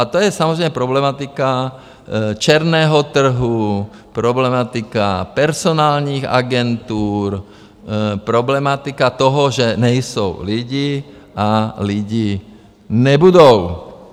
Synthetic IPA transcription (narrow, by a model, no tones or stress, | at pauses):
at̪ɔjɛsamɔzɾɛɪmɛpɾɔblɛmat̪ika | t͡ʃɛɾnɛːɦɔt̪r̩ɦu | pɾɔblɛmat̪ika̰pɛɾsɔnaːlniɣa̰ɡɛnt̪uːɾ | pɾɔblɛmat̪ikat̪ɔɦɔʒɛɲɛjsuʊliɟiː | aliɟiː | ɲɛbud̪ɔʊ